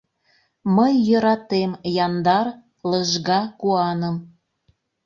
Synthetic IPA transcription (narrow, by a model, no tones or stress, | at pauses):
məjːəɾɑt̪emjɑnd̪ɑr | ləʒɣɑkuɑnəm